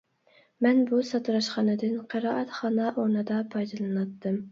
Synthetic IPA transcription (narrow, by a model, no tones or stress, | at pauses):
mɛnbusɑt̪uɾɑʃχɑnɨd̪ɨnqʰəɾɑːʔɛt̪χɑnɑʔonɨd̪ɑpʰɑjd̪ɨlˠɨnɑt̪ʰːɨm